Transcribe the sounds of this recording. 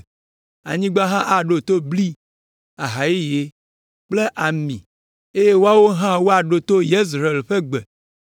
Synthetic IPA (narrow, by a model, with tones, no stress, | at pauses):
a̰˨ɲĩ˦ɡ͡ba˦ɦã˦ʔa˨ɖo˨t̪o˦bli˦ | a˨ɦa˨ji˦je˨ | k͡ple˦ʔa˨mḭ̃˨ | e˦je˦wo˦a˦wo˦ɦã˦wo˦a˨ɖo˨t̪o˦je˦s̬ɾe˨lɸe˦ɡ͡be˨